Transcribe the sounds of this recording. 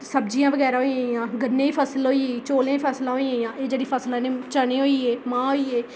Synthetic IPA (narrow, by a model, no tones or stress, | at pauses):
səb̚d͡ʒijãːʋəɡɛːɾaːɦoːiãːjãːɡənːẽːiːpʰəsəlɦoːiːeiːt͡ʃoːlẽːipʰəːslãːɦoiːãːjãːʔeːd͡ʒeːɽiːpʰəslãːnẽːt͡ʃəɽẽːɦoːiːeːmãːɦoːiːeː